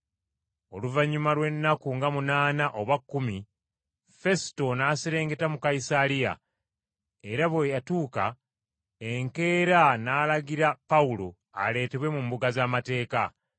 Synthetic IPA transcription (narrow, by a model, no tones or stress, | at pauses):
o̞luvaɲːumalwe̞nːakuŋɡamunaːnaʔo̞βwakːumi | fe̞si̥to̞naːsiɾe̞ːŋɡe̞tamukaisalija̰ | e̞ɾaβwojatuːka̰ | eŋke̞ːɾanaːlaɡiɾapaulo̞̰ | a̰le̞ːte̞βwe̞mumbuɡazaːmate̞ːka